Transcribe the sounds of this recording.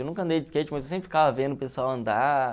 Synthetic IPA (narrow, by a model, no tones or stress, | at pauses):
wnũŋkɐ̃nd̪ejd͡ʒ̪ɪskejt͡ʃɪmazesẽpɾɪfikavɐvẽd̪ʊpesuawɐ̃nd̪a